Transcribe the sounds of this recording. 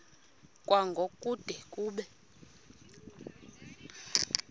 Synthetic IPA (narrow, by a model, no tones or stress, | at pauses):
kʼwaŋɡʱokʼud̥ʱɛkʼuːɓɛ